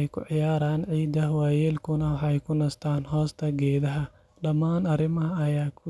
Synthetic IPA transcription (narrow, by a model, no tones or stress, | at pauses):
jkʰʊʕɪjaːɾaːnʕiːd̪ɐhwaːjɛːlkʰʊnɐwħɛjkʰʊnɐst̪ʰaːnɦɔːst̪ʰɐɡɛːðɐɦɐ | ɖɐmːaːnɐɾɪmɐɦɐːjaːkʰʊ